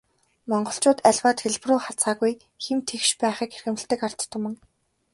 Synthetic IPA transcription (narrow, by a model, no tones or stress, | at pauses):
mɔɴɢɞ̆ɬt͡ɕʊːt̪æɮʲwaːt̪xeɮproχat͡saːɣuj | xemt̪ʰexʃpæːχiːkerxɘ̆mɘ̆ɬt̪ɘ̆kar̥t̪ːə̆kmɘ̆ŋ